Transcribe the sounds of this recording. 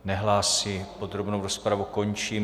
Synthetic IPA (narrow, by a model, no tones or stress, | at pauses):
nɛɦlaːsipod̪ɾobnowɾospɾavukoɲt͡ʃiː